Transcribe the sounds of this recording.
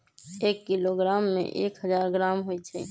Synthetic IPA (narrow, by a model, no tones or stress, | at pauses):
eːkːiloɡɾaːmːḛ̃ʔḛːkɦəzaːɾɡɾaːmɦoːit͡ʃʰɛ̰